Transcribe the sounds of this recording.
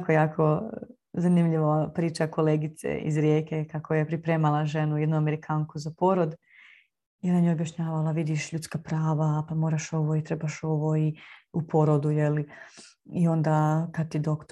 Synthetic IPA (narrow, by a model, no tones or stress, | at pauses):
kojaːkʰo̞ | zanimʎiʋopɾiːt͡ʃakoleːɡit̪sḛʔḭzɾjeːke̞kakojepɾipɾe̞ːmalˠaʒe̞nujed̪nuameɾikʰaːŋkuzapo̞ɾod̪ | jelanjeobjaʃɲaːʋalaʋid̪iʃʎut̪skapɾaːʋapamo̞ːɾaʃo̞ʋoit̪ɾebaʃo̞ʋo̞iupʰo̞ɾod̪ujeli | io̞nd̪akad̪̚t̪id̪okt̪